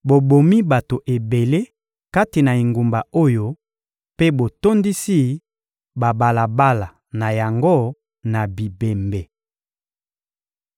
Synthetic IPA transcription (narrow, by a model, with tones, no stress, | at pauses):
bo˨bo˨mi˦ba˨to˨ʔe˨be˨le˦ | ka˦ti˨na˨i˨ŋɡu˨mba˨o˦jo˦ | pe˦bo˨to˦ndi˦si˦ | ba˨ba˨la˨ba˦la˨ | na˨ja˨ŋɡo˦ | na˨bi˨be˨mbe˨